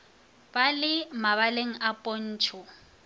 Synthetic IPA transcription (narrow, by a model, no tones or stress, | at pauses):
balɪmaβaleŋ̩ʔapʼon̩ːt͡ʃʰʊ